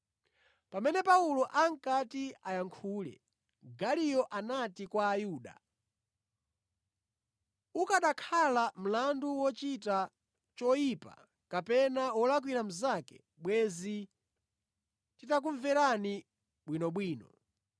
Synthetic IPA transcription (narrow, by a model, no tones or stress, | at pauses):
pamɛnɛpaulɔʔaŋ̩katiajaŋkʰuːlɛ̰ | ɡalijɔʔanatikwaːjuːɗa̰ | ukaɗakʰalam̩landuwɔt͡ʃita | t͡ʃɔjipa̰ | kapɛnawɔlak̬wiɾam̩zakɛ̥̰ | ɓwɛzi | titak̬uɱvɛɾani | ɓwinɔɓwiːnɔ